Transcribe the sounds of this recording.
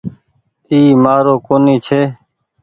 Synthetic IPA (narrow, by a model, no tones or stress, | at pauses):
iːmaːɾoːkoːniːt͡ʃʰeː